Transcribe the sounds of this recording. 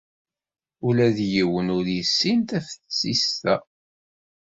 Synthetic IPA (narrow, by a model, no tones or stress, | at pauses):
ulæðjiwənʊɾjəsːint̪æfθt͡sːist̪æ